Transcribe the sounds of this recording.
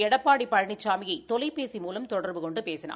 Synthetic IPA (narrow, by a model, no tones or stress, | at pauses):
ɛɽɐpːaːɽipːɐɻɐɳɪt͡ʃːaːmɪjɐɪt̪ɔlɪpeːsimuːlɐmt̪ɔɽɐɾʋɯkɔɳɖɯpeːsɪna̰ː